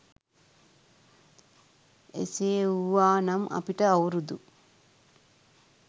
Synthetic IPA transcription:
ḛseːuʋaːnɐmʔɐ̰piʈəɐwuɾud̪u

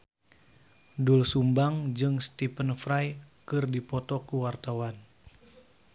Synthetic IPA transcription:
dulsumbaŋd͡ʒɨŋst̪ipənfɾajkɨrdipɔt̪ɔkuwart̪awan

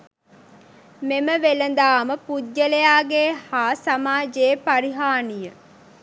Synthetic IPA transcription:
meməʋelənd̪aːməpudːəlejaːɡeːhaːsamaːd͡ʒeːpaɾiɦaːnijə

